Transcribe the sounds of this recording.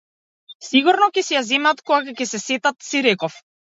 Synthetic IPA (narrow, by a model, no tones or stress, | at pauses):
siɡuɾnɔkɛsɛjazɛmat̪kɔɡakakɛsɛsɛt̪at̪siɾɛkɔf